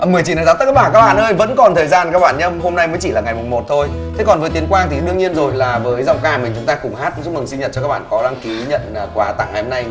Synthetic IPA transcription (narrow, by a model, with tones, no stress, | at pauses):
ʔə˧˨˩mɨ˨˩əjt͡ɕi˧˩nː˨˩za˨˦˥t̪ːk̚ːaː˧˩kaː˦˥k̚ɓaː˧˩nʔəː˧jvə̰˧˥nkɔ˨˩nt̪ʰəː˨˩jzaː˧nkaː˦˥k̚ɓaː˧˩nɲə˧mho˧mna˧jməː˨˦jt͡ɕḭ˧˩laː˨˩ŋa˨˩jmʊ˨˩ŋ͡mmo˨˩t̚t̪ʰo˧j | t̪ʰe˨˦kɔ˨˩nvəː˨˦t̪i˨˦ənkwaː˧ŋt̪ʰi˨˩ɗɨ˧əŋɲi˧ənzo˨˩jlaː˨˩vəː˨˦jza̰˧˨wŋ͡mkaː˧˩mï˨˩ŋ̟t͡ɕʊ˨˦ŋ͡mt̪aː˧kʊ˨˩ŋ͡mɦaː˦˥t̚t͡ɕʊ˦˥mɨ˨˩ŋsi˧ɲə˨˩t̚t͡ɕɔ˧kaː˦˥ɓaː˧˨kɔ˨˦laː˧ŋki˨˦ɲə̰˧˨nː˨˩kwaː˨˩t̪a̰˧˩ŋha˨˩ho˧na˧j